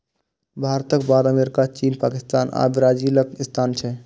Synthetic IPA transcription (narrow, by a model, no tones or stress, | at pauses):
bʱaːɾt̪əkbaːd̪əmeːɾɪkat͡ʃiːnpaːkɪst̪aːnʔa̰ːbɾaːd͡ʒiːləkɪst̪ʰaːnt͡ʃʰɛ